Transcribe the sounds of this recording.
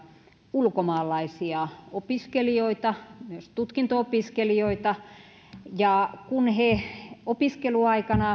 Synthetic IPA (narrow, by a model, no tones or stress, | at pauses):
ulkomɑːlːˑɑisiɑopiskelioit̪ɑmyøst̪ut̪kint̪oopiskelioit̪ɑ | jɑˑkunheopiskeluɑikɑnɑ